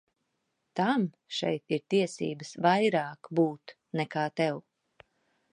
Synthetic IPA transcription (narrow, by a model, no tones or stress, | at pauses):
t̪am | ʃɛ̰jt̪iɾt̪iɛsḭːbəsvajɾaːkbuːt̪ | nɛkaːt̪ɛw